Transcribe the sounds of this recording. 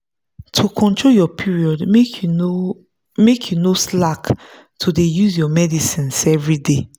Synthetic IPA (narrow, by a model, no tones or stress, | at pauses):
tʰukʰɔ̃ntʰɹoljɔpʰiɹiɔd | mekʰjunoslak | tʰudejuzjɔmɛdisĩnsɛvɹide